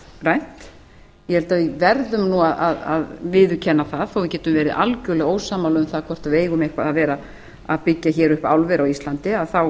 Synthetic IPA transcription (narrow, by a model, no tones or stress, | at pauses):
rajn̥t̪ | jɛhɛlt̪avɪvɛɾðʏmnuaðʔaða̰ðvɪðʏcʰɛnːaθaðθowvɪcɛːt̪ʏmvɛːɾɪʔalcʏlɛɣoːwsaːmːawlʏmθaðkʰɔr̥t̪aðveːjɣʏmehkvaðaðvɛːɾa | aðpɪcːaçɛːɾʏhpawlvɛɾawist̪lant̪ɪaðθaw